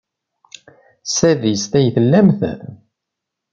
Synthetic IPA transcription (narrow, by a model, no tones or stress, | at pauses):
sæðist̪æjθəlːæmθ